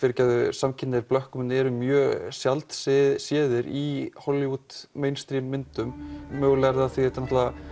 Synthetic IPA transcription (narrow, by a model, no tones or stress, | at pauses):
fɪɾcaðʏsamcʰɪnːɪɾplœhkʏmʏnɛɾʏmjœːsjalt̪ssjɛːðɪɾihɔlːiut̪mejnst̪ɾimːɪnt̪ʏmːœːɣlɛɾðaθiɛht̪anɔht̪aða